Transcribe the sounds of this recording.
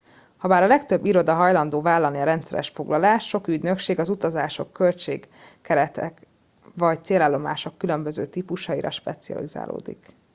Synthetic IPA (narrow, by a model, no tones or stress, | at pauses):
hɒbaːɾɒlɛkt̪ø̞bːiɾo̞d̪ɒɦɒjlɒnd̪oːvaːlːɒniɒɾɛnt̪sɛɾɛ̰ʃfo̞ɡlɒlaːʃːo̞kyɟ̪nø̞kʃeːɡɒzut̪ɒzaːʃo̞kːø̞lt͡ʃḛːɡː | ɛɾɛt̪ɛk | ʋɒct̪seːlaːlːo̞ma̰ːʃo̞kːylø̞mbø̞zøːt̪iːpuʃɒiɾɒ̰ʃpɛt̪siɒ̰liza̰ːlʔo̰ːd̪ḭk